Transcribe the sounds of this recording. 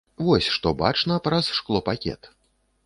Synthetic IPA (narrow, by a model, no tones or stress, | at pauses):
vɔsʲʂt̪ɔba̰t͡ʂnɐpɾɐsʂklˠɔpakʲɛ̰t̪